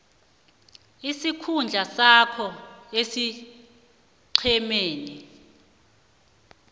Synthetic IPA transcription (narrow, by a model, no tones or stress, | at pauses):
isikʰund͡ɮʱasakʰɔesi | ǀʰɛmeːni